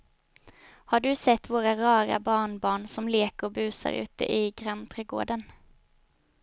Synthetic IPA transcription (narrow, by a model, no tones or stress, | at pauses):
haɖɵsɛt̪ːvoːɾaɾɑːɾa̰bɑːɳbɑːɳsɔmleːkəɾɔbʉ̟ːsa̰ɾʉ̟̰ːt̪ə̰ʔɪɡɾamt̪ʰɾɛːɡo̰ːɖən